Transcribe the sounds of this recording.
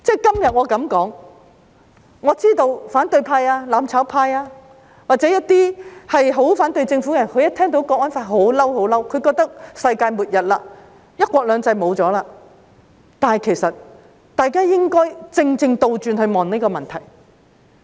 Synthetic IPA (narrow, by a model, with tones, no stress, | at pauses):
t͡sɛː˥˩kɐ˥mjɐ˨t̚ŋɔː˨˧kɐ˨˥mkɔː˨˥ŋ | ŋɔː˨˧t͡siː˥t̪o˧wfaː˨˥nt̪ɵ˧ɥpʰaː˧jaː˧laː˨˥mt͡sʰaː˨˥wpʰaː˧jaː˧ | waː˨k̚t͡sɛ˨˥jɐ˥t̚t̪iː˥hɐ˨jɦo˨˥wfaː˨˥nt̪ɵ˧ɥjt͡sɪ˧ŋfu˨˥kɛ˧˨jɐ˨˩nkʰɵ˨˧ɥjɐ˥tʰɛː˥ŋt̪o˧˥wkɔː˧ŋɔː˥nfaː˧t̚ɦo˨˥wlɐ˥who˨˥wlɐ˥wkʰɵ˨˧kɔː˧k̚t̪ɐ˥k̚sɐ˧jkaː˧jmuː˨t̚jɐ˨t̚laː˧ | jɐ˥t̚kʷɔː˧k̚lœː˨˧ŋt͡sɐ˧jmo˨˧wt͡sɔː˨˥laː˧ | t̪aː˨nɐ˨jkʰe˨˩jsɐ˨t̚ | t̪aː˨˩jkaː˥jɪ˥ŋkɔː˥jt͡sɪ˧ŋt͡sɪ˧ŋt̪o˧wt͡ʃyː˧nhɵ˧ɥmɔː˨ŋneː˥jkɔː˧mɐ˨nt̪ʰɐ˨˩j